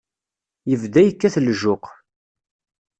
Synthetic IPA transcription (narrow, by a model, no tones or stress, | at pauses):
jəvd̪æjəkːæθəlʒʊq